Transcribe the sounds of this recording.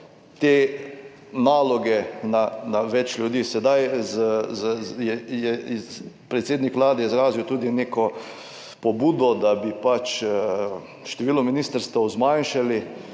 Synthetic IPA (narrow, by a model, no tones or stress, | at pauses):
t̪eː | naːlɔɡɛnanaʋɛt͡ʃlʲjud̪iːsɛd̪ajz | jɛjɛ | pɾɛt̪seːd̪nikʋlaːd̪ɛjɛizɾaːziwt̪uːd̪ineːkɔ | pɔbuːd̪ɔd̪abipat͡ʃ | ʃt̪ɛʋiːlɔminiːst̪əɾst̪ʋɛwzmanʃali